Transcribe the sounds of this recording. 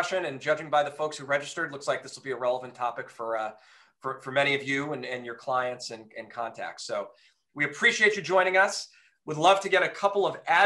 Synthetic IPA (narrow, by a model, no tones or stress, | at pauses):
ʃɨ̃nɨ̃nd͡ʒʌd͡ʒɪ̃ŋbaɪðɨfoʊkshʉɹɛd͡ʒɨstə˞dˡlʊkslaɪk̚ðɪswəl̩ˠbiɨɹɛlˠəvɨ̃n̩tʰɑpɨkfə˞ʌ | fə˞fə˞mɛɾ̃iʌvjʉɨ̃nɪ̃njə˞kʰl̥aɪɨ̃ntsɨ̃nɨ̃nkʰɑ̃ntʰæ̰k̚tsoʊ | wiɨpʰɹ̥iʃieɪt͡ʃɨd͡ʒɔ̃ɪ̃nɪ̃ŋʌs | wədˡlʌv̥tʰɨɡɛɾɨkʰʌpl̩ˠʌvæ